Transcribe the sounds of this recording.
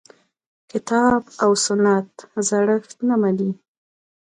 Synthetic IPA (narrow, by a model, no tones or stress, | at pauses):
kɪt̪ɑbawsʊnːat̪zaɽəxt̪namani